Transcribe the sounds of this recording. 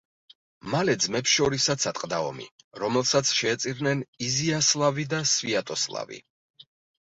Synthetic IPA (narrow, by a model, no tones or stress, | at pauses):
malɛd̪zmɛpsʃɔɾisat̪sʰat̪ʼqʼd̪aɔ̰mḭ | ɾɔmɛlˠsat̪sʰʃɛːt̪sʼiɾnɛniziaslˠavid̪asviat̪ʼɔslˠa̰vḭ